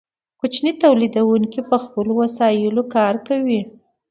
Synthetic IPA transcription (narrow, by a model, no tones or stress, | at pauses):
kʊt͡ʃnit̪awlid̪awuŋkipəxpəlowasɑjɪlokɑɾkawi